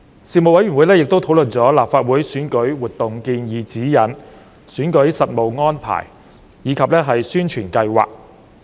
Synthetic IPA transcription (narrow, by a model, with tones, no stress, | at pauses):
siː˨mo˨t̚wɐ˨˥jɥy˨˩nwu˨˥jlɛː˥jɪ˨k̚t̪o˥wtʰwlɵ˨nt͡sɔː˨˥laː˨p̚faː˧t̚wuː˨˥jsyː˨˥nkɵ˨˥ɥwuː˨˩t̚t̪ʊ˨ŋkiː˧njiː˨˧t͡siː˨˥jɐ˨˥n | syː˨˥nkɵ˨˥ɥsɐ˨t̚mo˨wŋɔː˥npʰa̰ː˨˩j | jiː˨˧kʰɐ˨p̚lɛː˥ɦɐ˨jsyː˥nt͡ʃʰyː˨˩nkɐ˧jwa̰ː˨k̚